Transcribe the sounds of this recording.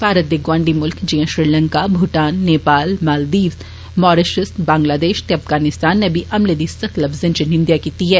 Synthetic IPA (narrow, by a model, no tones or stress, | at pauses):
paːɾət̪̚d̪iɡwãːɳɖimʊlkd͡ʒiãʃɾilə̃ŋkabʱʊʈaːnːeːpaːlmaːld̪iː | mɔːɾeʃɪst̪bãːŋɡlaːd̪eːʃt̪eɐfɡaːnɪst̪aːnːẽbʱiʔɐmled̪isɐk̪lɐfzẽnt͡ʃinɪ̃nd̪jakiːt̪iɦɛː